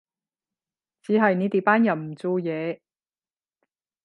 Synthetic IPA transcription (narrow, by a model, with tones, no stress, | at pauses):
t͡siː˨˥ɦɐ˨jni˨˧t̪iː˨˧paː˥njɐ˨˩wm̩˨˩t͡so˨˧jɛː˨˧